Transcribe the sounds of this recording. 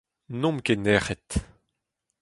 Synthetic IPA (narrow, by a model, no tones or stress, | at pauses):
nɔ̃mkenɛʁɛt̪